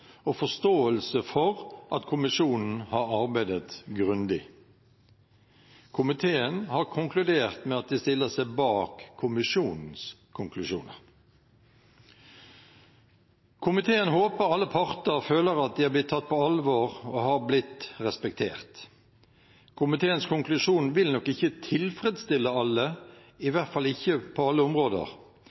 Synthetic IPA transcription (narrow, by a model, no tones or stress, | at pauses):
ɔfɔst̪oːəlsəfɔʁʔɑt̪kʰʊmɪʂuːnn̩hɑɾɑʁbæɪd̪ət̪ɡʁʉnd̪ɪ | kʰʊmɪt̪ʰeːənhɑːʁkʰʊŋklʉd̪eːʁt̪mɛɑt̪̚d̪ɛst̪ɪlːəsæɪbɑːkʰːʊmɪʂuːnn̩skʰʊŋklʉʃuːnəʁ | kʰʊmɪt̪ʰeːənhoːpəɾɑlːəpʰɑʁt̪əʁføːləɾɑt̪̚d̪iːhɑɾblɪt̪ʰːɑt̪̚ːpʰɔɑlʋoːʁohɑʁblɪt̪ʁɛspɛk̚t̪ʰḛːʁt̪ | kʰʊmɪt̪ʰeːənskʰʊŋklʉʂuːnʋɪlnɔkːɪçːət̪ʰɪlfɾɛd̪st̪ɪlːəɑlːə | ɪʋæʁt̪fɑlːɪçːəpʰɔɑlːəʊmʁoːd̪ə̰ʁ